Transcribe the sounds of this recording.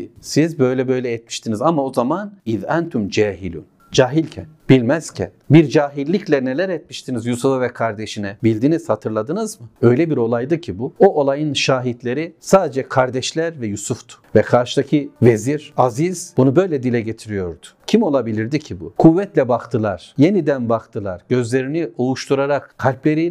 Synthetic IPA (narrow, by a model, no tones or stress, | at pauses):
sizbø̞jlʲɛbø̞jlʲɛːt̪̚miʃt̪ʰinizamao̞zamaniðɛnt̪ʰumd͡ʒɛːɦilʲṵn | d͡ʒaːɦilʲcʰænbilʲmɛz̥cʰɛ̰nbiɾd͡ʒaːɦilʲːiclʲɛnelʲæɾɛt̪̚miʃt̪ʰinizjusufavɛkʰaɾd̪eʃinɛbilʲd̪iniz̥hat̪ʰɯɾlˠad̪ɯnɯzmɯø̞jlʲɛbiɾo̞lˠajd̪ɯcʰibuo̞ʔolˠajɯnʃaːɦit̪lʲe̞ɾisaːd̪ed͡ʒɛkʰaɾd̪ɛʃlʲæɾvɛjusuft̪ʰu̥vɛkʰaɾʃɯ̥d̪acʰɯve̞ziɾaziz̥bunubø̞jlʲɛd̪ilʲɛɟet̪ʰiɾijo̞ɾd̪ʊ̥cʰimo̞lˠabilʲiɾd̪icʰibukʰuvːɛt̪lʲɛbakt̪ʰɯlˠaɾ̥je̞nid̪ænbakt̪ʰɯlˠaɾɟø̞zlʲe̞ɾiniuuʃt̪ʰuɾaɾakkʰːalʲplʲe̞ɾi